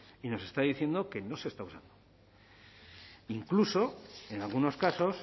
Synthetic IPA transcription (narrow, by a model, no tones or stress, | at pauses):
ino̞se̞st̪aðiθje̞nd̪oke̞no̞se̞st̪ausa̰nd̪o | iŋkluso̞e̞nalɣuno̞skaso̞s